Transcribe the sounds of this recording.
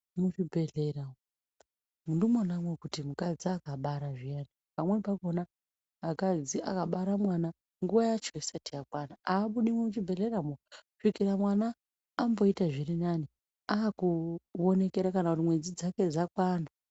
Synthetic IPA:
mut͡ʃibʱe̞ɮeramo | mundumonamwekutimukad͡ziakaɓaɾaʐijenipamwe̞pakonaː | kad͡ziʔa̰kaɓaɾamwana | ŋɡuʋajat͡ʃoisatijakwanaaːɓuɗimwemut͡ʃibʱe̞ɮe̞ramoʂikiɾamwanaː | mbo̞itaʐirinani | aakuone̞keɾakanakutimwe̞d͡zid͡zake̞d͡zakwaːna

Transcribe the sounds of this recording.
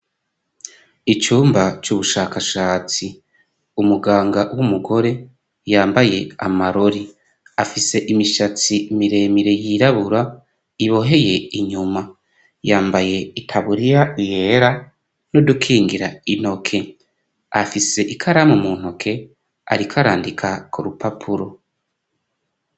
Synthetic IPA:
it͡ʃuːmbat͡ʃuβuʃaːkaʃaːt͡si | umuɡaːŋɡawumuɡo̞ɾe̞ | jaːmbaje̞a̰maɾoɾi | afise̞ʔimiʃat͡simiɾe̞ːmiɾe̞jiɾaβuɾa | iβo̞ɦe̞je̞iɲuma | jaːmbaje̞itʰaβuɾijaijeːɾa | nodukʰiːŋɡiɾaino̞kʰe̞ | afise̞ʔikʰaɾamumuːn̥hokʰe̞ | a̰ɾikʰaɾa̰ːndikʰakʰuɾupapʰuɾo̞

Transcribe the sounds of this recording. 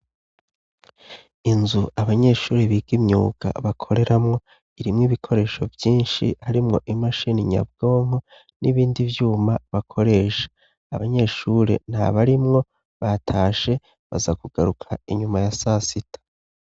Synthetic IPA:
inzuaβaɲe̞ʃuːɾeβiɡimɲṵːɡ̥a̰βakʰo̞ɾe̞ɾʔamŋo̞ | iɾimŋiβikʰo̞ɾe̞ːʃo̞vjiːnʃḭhaɾimŋo̞̰ʔimaʃiniɲa̰bɡo̞ːmho | niβiːndivjuːmaβakʰo̞ɾe̞ːʃḁː | βaɲe̞ʃuːɾe̞̰n̥ha̰βaɾimŋo̞ | βatʰaːʃe̞ | βa̰zakuɡ̥aɾukʰaiɲumajasasitḁ

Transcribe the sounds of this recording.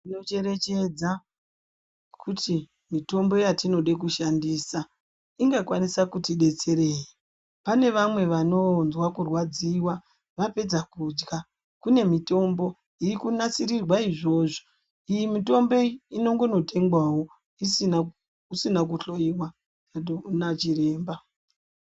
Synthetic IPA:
ino̞t͡ʃe̞ɾe̞t͡ʃe̞d͡za | kʰuti | mito̞mbo̞jatino̞ɗek̬uʃandiːsa | iŋɡakwanisakutiɗe̞t͡se̞ɾe̞ːji | pane̞ʋamwe̞ʋano̞nzwakurwad͡ziwa | ʋape̞d͡zakud͡ʒɡa | kune̞mito̞mbo̞ | iikunat͡sirirwaiʐo̞ːʐo̥ | ijimito̞mbo̞ino̞ŋɡo̞no̞te̞ŋɡwawo̞ | isi | usinak̬uɬo̞jiwa | aɗounat͡ʃire̞ːmba

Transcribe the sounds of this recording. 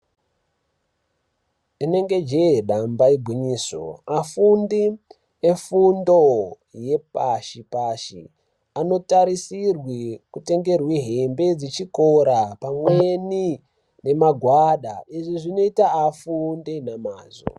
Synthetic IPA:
ine̞ŋɡe̞d͡ʒeɗambaiɡʱwiɲiːso̰afundi | efundo | je̞paʃipaʃḭ | ano̞taɾisirwikute̞ŋɡe̞rwiɦembe̞d͡zit͡ʃikoɾapamweni | ne̞maɡʱwaɗa̰iʐiʐino̞itaːfundinamaːzo̰

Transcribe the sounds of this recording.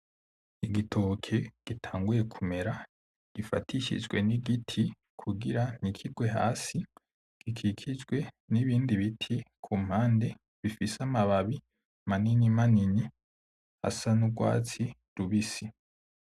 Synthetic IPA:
iɡitʰokʰeɡ̥itʰaːŋɡuje̞kʰume̞ɾa | ɡ̥ifa̰tʰiʃḭd͡ʒɡwe̞niɡitʰi | kʰuɡiɾanikʰiɡwe̞ɦa̰ːsi | ɡ̥ikʰikʰid͡ʒɡwe̞ | niβiːndiβitʰikʰum̥haːnde̞ | βifisamaβaβi | maninimanini | ha̰sanuɡwa̰ːt͡si | ɾuβisi

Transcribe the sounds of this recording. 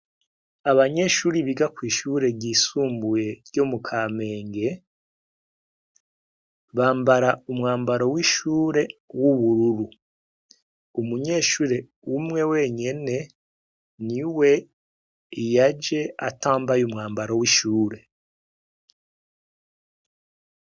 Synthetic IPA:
aβaɲe̞ːʃuːɾiβiɡakwiːʃuɾe̞ɟisuːmbuje̞ɾɟo̞mukʰaːme̞ːŋɡe̞ | βaːmbaɾaumŋaːmbaɾowiʃuːɾe̞wuβuɾuɾu | umuɲe̞ːʃuːɾe̞ | umŋe̞we̞ɲene̞ | niwe̞ | ijad͡ʒe̞a̰taːmbajumŋaːmbaɾowiʃuːɾe̞

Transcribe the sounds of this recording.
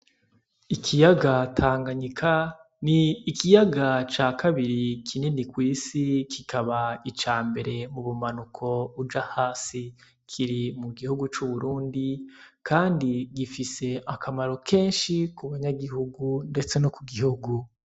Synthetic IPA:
ikʰijaɡatʰaːŋɡaɲikʰa | niːkijaɡat͡ʃaːkʰaβiɾikʰinenikwiːsikʰikʰaβait͡ʃaːmbe̞ɾe̞muβumanukʰo̞βud͡ʒahaːsi | kʰiɾimuɡihuɡut͡ʃuβuɾuːndikaːndiɡifise̞akamaɾo̞kʰe̞ːnʃikuβaɲaɡihuɡunde̞t͡se̞nokuɡihuɡu

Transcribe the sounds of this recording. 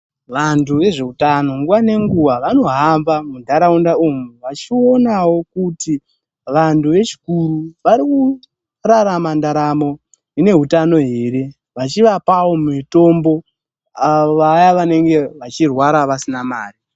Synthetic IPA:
ʋantʰuʋe̞ʐe̞utano̞ŋɡuwane̞ŋɡuwaʋano̞ɦamvamundʱaɾaundaumuʋat͡ʃio̞nawo̞kuti | ʋantʰuʋe̞t͡ʃi̥kuɾuʋaɾiku | raɾamandaɾamo̞ | ine̞ɦutano̞ɦe̞ɾe̞ | ʋat͡ʃiʋapawo̞mito̞mbo̞ | aoʋajaʋane̞ŋɡe̞ʋat͡ʃirwaɾaʋasinamaːri

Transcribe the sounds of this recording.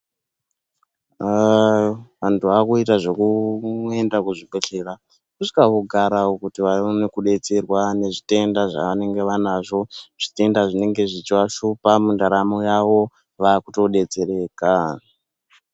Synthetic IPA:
ʋantʰuakuitaʐo̞kue̞ndakuʐiɓeɬe̞ra | kusi̥kaʋoɡʱaɾaokutiʋaonekuɗe̞t͡serwane̞ʐite̞ndaʐa̰ʋane̞ŋɡe̞ʋanaʐo̞ʐ̥ite̞ndaʐine̞ŋɡe̞ʐit͡ʃwaʃupamundaɾamojaʋo̞ | ʋakuto̞ɗe̞t͡se̞ɾe̞ːka

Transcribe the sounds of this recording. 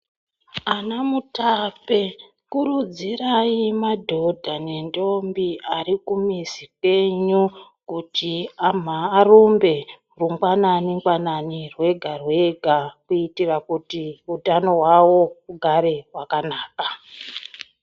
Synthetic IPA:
anamutape | kuɾud͡ziraimadʱo̞dʱane̞ndo̞mbiʔaɾikumisikwe̞ɲukutiam̤aːrumbe̞ | ruŋɡwananiŋɡwananirwe̞ɡʱarwe̞ɡʱakuitirakutiutano̞ɦwawo̞uɡʱaɾe̞wakanaːka

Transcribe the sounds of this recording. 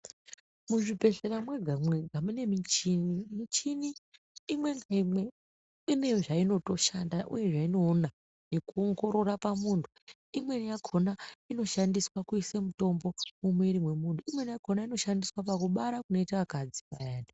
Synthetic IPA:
muʐibʱe̞ɬeɾamwe̞ɡʱamweɡʱamune̞mit͡ʃinimit͡ʃiniː | mwe̞ŋɡaimwe̞ | ine̞ʐaino̞to̞ʃandaʔṵje̞ʐaino̞ːna | jekuoŋɡo̞ɾo̞ɾapamuːntʰu̥ | imwe̞nijakʰo̞naino̞ʃandiswakuisemuto̞mbo̞mumwe̞iɾimwe̞muntʰuimwe̞nijakʰo̞naino̞ʃandiswapakuɓaɾakuno̞itaʋakad͡zipajaːnda

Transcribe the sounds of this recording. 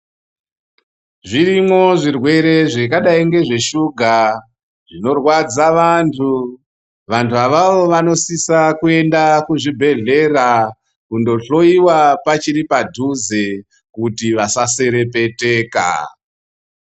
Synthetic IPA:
ʐirimo̞ʐirwe̞ɾe̞ʐekaɗaiŋɡe̞ʐe̞ʃuɡʱa | ʐ̥ino̞rwad͡zaʋantʰu | ʋantuaʋaʋo̞ʋano̞sisakue̞ndakuʐibʱe̞ɮe̞ra | kundo̞ɬo̞iwapat͡ʃiɾipadʱuze | kutiʋasase̞ɾe̞pe̞te̞ːka̰

